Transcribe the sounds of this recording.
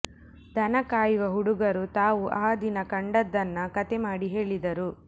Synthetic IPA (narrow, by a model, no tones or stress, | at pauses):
d̪ɐnɐkaːjuʋɐɦuɽuɡɐɾut̪aːʋuʔaːd̪inɐkɐɳɖɐd̪ːɐnːɐkɐt̪ɛmaːɽiɦe̞ːɭid̪ɐɾu